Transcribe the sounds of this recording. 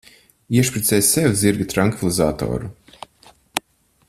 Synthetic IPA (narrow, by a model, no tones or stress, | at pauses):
iɛʃpɾit̪sʲɛːjssɛw̪ziɾɡat̪ɾaŋkvilˠiza̰ːt̪ɔ̰ːɾu